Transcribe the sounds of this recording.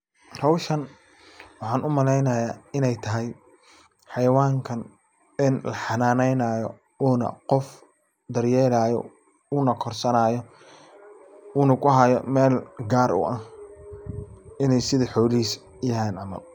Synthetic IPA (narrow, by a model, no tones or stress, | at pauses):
rɔwʃɐn | wɑħɑːnʔʊmɐlɛjnɐjaːɪnɛjt̪ʰɐɦɛj | ħɑjɐwaːŋkʰɐn | ɪnlɐħɑnaːnɛjnaːjɔ̰ | uːnɐ̰qɔf | d̪ɐrjɛːlaːjɔ̰ | uːnɐkʰɔrsɐnaːjɔ | uːnɐkʰʊɦɐjɔ̰mɛːlɡaːɾʊ̰ʔɐh | ɪnɛjsɪðɐħɔːlɪhiːs | jɐɦaːnɑmɐ̰l